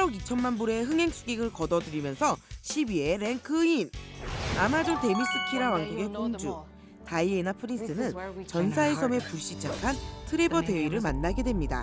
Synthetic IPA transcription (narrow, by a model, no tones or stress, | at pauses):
pʰɾʌɡit͡ɕʰʌnmanbuɾe̞ɦɯŋɦe̞ŋs͈ʰuɡiɡɯɭkʌdʌdɯɾimjʌnsʰʌɕʰibie̞ɾe̞ŋkʰɯinamad͡ʑonte̞mis͈ɯkʰiɾawaŋɡuɡe̞koŋd͡ʑu | taie̞napʰɯɾins͈ɯnɯnt͡ɕʌnsʰaesʰʌme̞puɭɕ͈it͡ɕ͈akʰantʰɯɾebʌte̞ɥiɾɯɭmanːaɡe̞dwe̞mɲida̰